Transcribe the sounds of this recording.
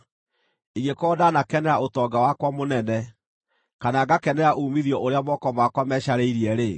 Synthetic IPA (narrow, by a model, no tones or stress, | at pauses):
iɣekɔdanakɛnɛaʔotɔːɡawakwamonɛnɛ | kanaɡakɛnɛaʔumiðjɔʔoɾeamɔkɔmakwamɛːɕaɾeiɾiɛɾe